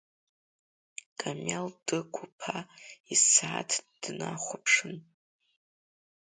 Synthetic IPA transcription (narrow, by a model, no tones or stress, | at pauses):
kʼamʲald̥ɨkʷʰupʰaisaatʰd̥naχʷapʰʂɨn